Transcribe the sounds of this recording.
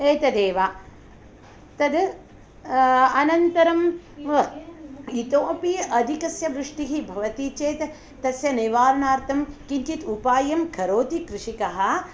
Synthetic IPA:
eːt̪ɐd̪eːʋaː | t̪ɐd̪ | ɐnɐnt̪ɐɾɐm | it̪oːpijɐʔɐd̪ʱikɐsjɐʋɾuʂʈiɦibʱɐʋɐt̪iːt͡ʃeːt̪ | t̪ːɐsjɐniʋaːɾɐɳaːɾt̪ʰɐmkiɲt͡ʃit̪upaːjɐmkʰɐɾoːt̪ikɾɪʂikɐɦɐ̆

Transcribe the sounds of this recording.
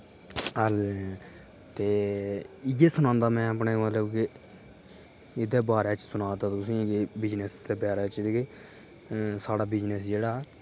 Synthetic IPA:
əl | t̪eː | ɪjeːsʊnãːnd̪aːmɛ̃ːəpneːmət̪ləbke | ɪd̪eːbaːɾeːt͡ʃsʊnaːt̪aːt̪ʊsĩːkebɪd͡ʒnest̪eːpjaːɾaːt͡ʃ̪ːke | saːɽaːbɪd͡ʒnesd͡ʒeːɽaː

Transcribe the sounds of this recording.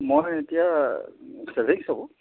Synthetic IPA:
mojetija | sebʱiŋsabɔ̃

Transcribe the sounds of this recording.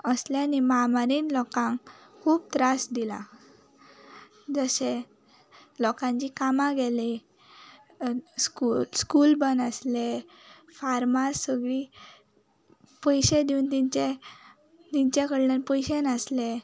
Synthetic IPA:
əslenimamaɾiːnlɔkãŋ | kʰuːb̚t̪ɾasd̪ilã̰ | d͡zəse | lɔkãɲt͡ɕikamãɡeli | skuskuːlbənəsle | faɾmasːəɡɭi | pəjɕẽd̪iunt̪iɲt͡ɕe | t̪iɲt͡ɕekəɽlenpəjɕenəsle

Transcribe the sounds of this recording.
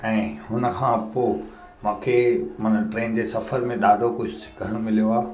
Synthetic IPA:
ɛ̃ːɦʊnə̆kʰãːpoː | mũːkʰemɐnəʈɾeːnd͡ʑeːsɐfəɾmẽɗaːɖʱokʊd͡ʑʱʊkɐɾəɽ̃mɪlijoaː

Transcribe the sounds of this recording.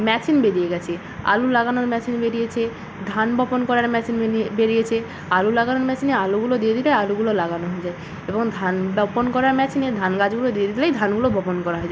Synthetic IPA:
mɛt͡ɕinbeɾijeɡɛt͡ɕʰe | a̰lulaɡanoɾmɛt͡ɕinbeɾijet͡ɕʰe | d̪ʱanbɔponkɔɾaɾmɛt͡ɕinbeɾijet͡ɕʰe | alulaɡanoɾmɛt͡ɕinealuɡulod̪ijed̪ʱilealuɡulolaɡanoɦoed͡ʑae | eboŋd̪ʱanbɔponkɔɾaɾmɛt͡ɕined̪ʱanɡad͡ʑɡulod̪ijed̪ʱilejd̪ʱanɡulobʱɔponkɔɾaɦoed͡ʑaee

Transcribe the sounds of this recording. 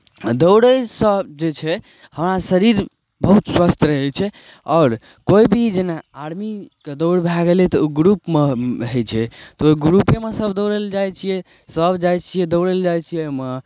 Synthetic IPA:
d̪əwɽəsəd͡ʒet͡ʃʰɛ | həmɾasəɾiɾ | bəɦut̪swast̪ʰɾəɦɛlt͡ʃʰɛ | ɔːɾ | koibʱid͡ʒenaaɽmiked̪əʊɽbʱaɡelet̪ɔoɡɾupmeɦəjt͡ʃʰɛt̪ɔoɡɾupemesəbʱd̪əwɽeld͡ʒajt͡ʃʰijɛ | səbʱd͡ʒajt͡ʃʰijɛd̪əwɽeld͡ʒajt͡ʃʰijɛme

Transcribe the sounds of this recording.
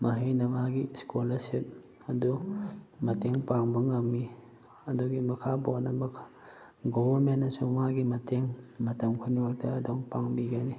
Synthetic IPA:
mɐɦijnɐmaɡiskʰolɐsip̚ | ɐdumɐteŋpaŋbuŋɐmːi | ɐduɡimɐkʰabonɐmɐkʰḁ | ɡobɐɾmenːɐsumaɡimɐteŋmɐtɐmkʰunibak̚tɐːdoŋpaŋbiɡani

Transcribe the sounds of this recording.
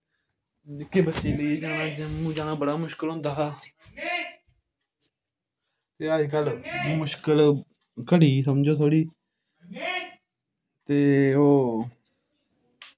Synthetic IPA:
ɪkːeːbətːʃeːləiːd͡ʒaːnãːd͡ʒmũːd͡ʒaːnãːbəɽaːmʊʃkəlɦʊ̃nd̪aːɦaː | t̪eːəd͡ʒkəlmʊʃkəl | kəɽiːsəmd͡ʒoːt̪ʰoːɽiː | t̪eːoː

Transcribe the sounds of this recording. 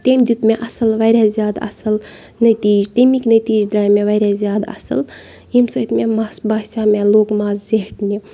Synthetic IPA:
t̪emd̪it̪meʔɐsəlʋajɾʲazjaːd̪ɐ̰səl | nət̪iːd͡ʒt̪əmiknət̪iːd͡ʒd̪ɾaːjmeʋajɾazjaːd̪aɐ̰sə̰l | imsət̪memasbaːsameloːkmaːzzeɦʈni

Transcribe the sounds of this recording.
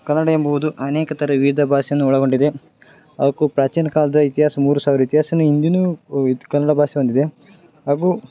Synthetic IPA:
kɐnːɐɽɐjembɐʋud̪uʔɐneːkɐt̪ʰɐɾɐʋiːd̪ʱɐbʱaːʃɐjɐnːuɔɭɐɡo̞ɳɖid̪e̞ | ɐʋɐkupɾaːt͡ʃiːnɐkaːlɐd̪ɐit̪iɦaːsɐmuːɾusaːʋiɾɐit̪iɦaːsɐnuind̪inukɐnːɐɽɐbʱaːʃɐbɐnd̪id̪e̞ | ɦaːɡuː

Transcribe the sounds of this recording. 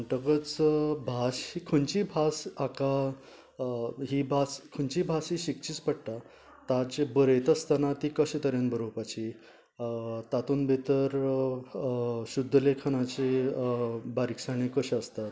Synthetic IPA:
ʈəkət͡sbʱaɕikʰənt͡ɕibʱasaka | ɦibʱaskʰəɳt͡ɕibʱasiɕikt͡ɕiːt͡spəɽʈ̪a | t̪ad͡ʑebəɾet̪əst̪anat̪ikəɕet̪əɾjənbʱəɾopat͡ɕi | t̪at̪uːnbʱet̪əɾ | ɕud̪ʱːlekʰañat͡ɕe | baɾiksaɳ̃ikəɕəst̪at̪

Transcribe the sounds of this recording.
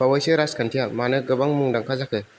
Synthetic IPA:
bawajsɯɾaskʰantʰijamanɯɡɯbaŋmuŋdaŋkʰazakʰɯ

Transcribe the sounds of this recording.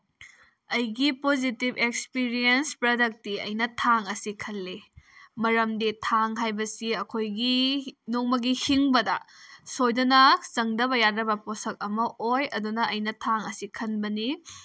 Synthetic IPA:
ɐjɡipozitibekspiɾienspɾɐdɐk̚tiɐ̰jnɐtʰaŋɐsikʰɐlːimɐɾɐmditʰaŋɦajbɐsiɐkʰojɡinoŋmɐɡihiŋbɐdɐ̰sojdɐnɐzɐŋdɐβɐjadɾɐbɐposɐk̚ɐmɐʔojɐdunɐʔɐjnɐtʰaŋɐsikʰɐnbɐni

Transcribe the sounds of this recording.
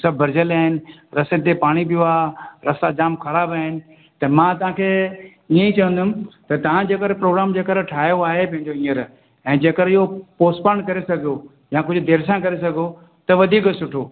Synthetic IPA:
sɐbʱːɐɾd͡ʑəlaːɦɪnɪ̆ɾɐset̪epaːɽ̃ibɪjoaːɾɐsad͡ʑaːmkʰɐɾaːbaːɦɪnɪ̆ | t̪ɐmãːt̪ɐɦãkʰeː | iẽit͡ɕɐʋə̃n̆d̪ʊmɪ̆t̪ɐt̪ɐʋ̤ãd͡ʑeːkəɾpɾoːɡɾaːmd͡ʑeːkəɾʈʰaːjoaːɦepɐ̃ɦɪ̃ɲd͡ʑoĩːəɾ | ɛ̃ːd͡ʑeːkəɾɪɦopoːspəɽ̃kɐɾesɐɡʱijo | jãk̬ʊd͡ʑʱʊ̆d̪ʱeːɾsãkɐɾesɐɡʱo | t̪ɐʋɐd̪ʱiːksʊʈʰoː

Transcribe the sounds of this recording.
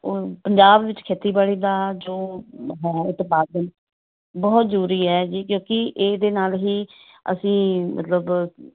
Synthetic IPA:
opəɲd͡ʒaːbʋɪt͡ʃkʰeːt̪iːbaːɽiːd̪aːd͡ʒoːɦɛːɪt̪paːd̪ən | bɔːt̪zɾuːɾiːɦɛːd͡ʒiːkjõːkɪʔeːd̪eːnaːlɦiː | ə̰sĩːmə̰t̪ləb

